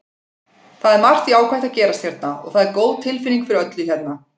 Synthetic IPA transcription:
θaðɛɾmar̥t̪iaːwkʰajht̪aðcɛːɾast̪θjɛɾt̪̚naɔ̰ɣθaðɛɾkoːwðt̪ʰːɪlfɪnːiŋkfɪɾɪɾœt̪lʏθçɛt̪na

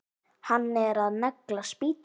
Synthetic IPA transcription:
hanːɛɾaðnaklaspiːt̪

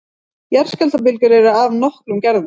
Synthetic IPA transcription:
jɛɾ̥scɛlt̪ap̬ɪlcʏɾɛɾʏavnɔhklʏmcɛɾðʏ

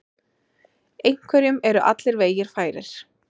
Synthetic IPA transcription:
ejŋ̥kʰvɛɾjʏmɛɾʏʔa̰t̪lɪɾveːjɪɾ̥faːjɾɪɾ̥

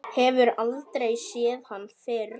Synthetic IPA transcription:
hɛvʏɾalt̪ɾejsjɛːðhanːfɪɾ

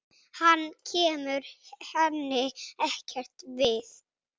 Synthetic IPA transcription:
hanːcʰɛːmʏɾhɛnːɪɛhcɛr̥t̪vɪθ

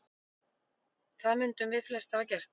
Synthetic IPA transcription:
θaðmʏnt̪ʏmvɪðflɛst̪acɛr̥t̪

